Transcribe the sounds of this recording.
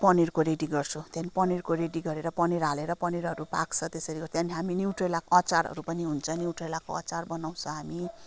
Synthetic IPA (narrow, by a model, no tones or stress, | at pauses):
pʌnirkoɾeɖiɡʌrt͡sʰõt̪anipʌnirkoɾeɖiɡʌɾeɾʌpʌniɾɦaleɾʌpʌniɾʌɾupa̰kt͡sʰʌt̪esʌɾiɡʌt̪janiɦaminiwʈrelakoʌt͡saɾɦʌ̰ɾupʌniɦunt͡sʰʌniwʈelakoʌ̰t͡sarbʌnaw̃t͡sʰʌ̃ɦami